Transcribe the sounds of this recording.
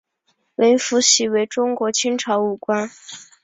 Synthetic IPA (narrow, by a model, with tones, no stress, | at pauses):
le˧˥ɪfu˧˥ɕi˧˨˥we˧˥ɪʈ͡ʂʊ˥ŋkwɔ˧˥t͡ɕʰi˥nʈ͡ʂʰɑ˧˥ʊu˨˩kwa˥n